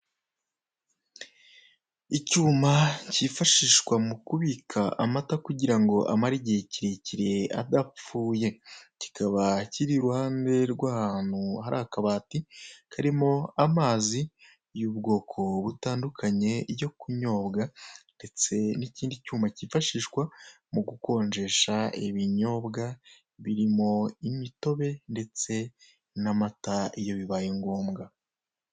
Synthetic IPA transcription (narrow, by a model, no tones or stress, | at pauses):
icuːmaciːfaʃiʃkwamukuβikʰaʔamatakuɟiɾaŋɡo̞ʔa̰maɾiɟeciɾe̞ciɾe̞a̰d̪ap͡fuːje̞ci̥kʰaβaciɾiɾuhaːnde̞ɾɡwaːhaːn̥huhaɾaːhkaβaːtikaɾimo̞amaːzi | juːbɡo̞ːkʰo̞βutaːndukʰaɲe̞ɟo̞kuɲo̞ːbɡande̞t͡se̞niciːndicuːmacifaʃiːʃkwa | muɡuko̞ːɲd͡ʒe̞ʃaiβiɲo̞ːbɡa | βiɾimo̞imito̞βe̞nde̞t͡se̞ | namataijo̞βiβaːjeŋɡo̞ːmɡa